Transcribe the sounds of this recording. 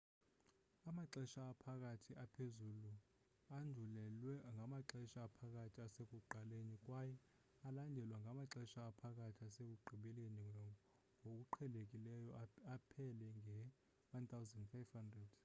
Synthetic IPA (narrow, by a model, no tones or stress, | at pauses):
amaǁɛʃaːpʰak̬ʼatʰiʔapʰezulu | andʱulɛlwɛŋɡʱamaǁɛʃaːpʰak̬ʼatʰiasek̬ʼuɡ͡ǃʱalenikʼwajɛ | alandʱɛlwaŋɡʱamaǁɛʃaːpʰakʼatʰiasek̬ʼuɡ͡ǃʱiɓɛleni | ŋʱok̬ʼuǃʰɛlek̬ʼilɛjɔapʰɛlɛŋɛ | want̪ʰawzɛndfajvhandrɛd̥